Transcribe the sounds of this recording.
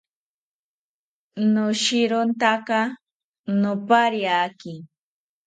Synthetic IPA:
nʊʃɪɾʊnt̪akɑ | nʊpaɾjakɪ

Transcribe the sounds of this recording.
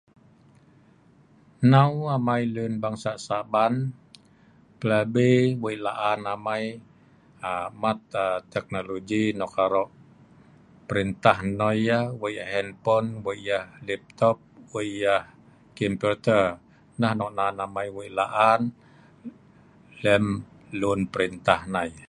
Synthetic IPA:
nawamailunbaŋsasaban | pəlabewəilaʔanamaj | amat̪t̪ɛk̚noloɡinɔkaɾɔʔ | pəɾint̪ahnɔjahwəjahɦɛnpɔnwəjahlɛp̚t̪ɔp̚wəjah | kimpurt̪ər | nahnɔʔnanamajwəilaʔan | lɛm | lunpəɾint̪ahnaj

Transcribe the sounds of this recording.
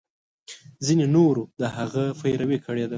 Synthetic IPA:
zinenoɾod̪əhaɣəfajɾawekʰəɽed̪a

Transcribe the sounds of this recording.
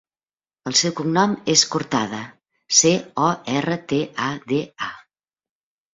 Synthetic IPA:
əlˠsɛwkumnɔmeskuɾt̪að̞ə | seɔɛrət̪eʔaðea

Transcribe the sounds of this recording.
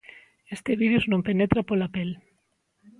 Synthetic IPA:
est̪eβiðuznompenet̪ɾapolapel

